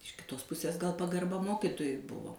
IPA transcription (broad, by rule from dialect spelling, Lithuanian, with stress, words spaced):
ɪʃ kʲɪˈtoːs ˈpʊsʲeːs ɡɐlˠ pɐɡɐrˈbɐ ˈmoːkʲɪtoːjʊɪ ˈbʊʋoː